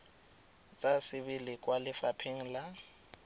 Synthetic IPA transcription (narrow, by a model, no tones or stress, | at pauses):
t͡sʼasɪbɪlɪkʼwalɪfapʰeŋ̩la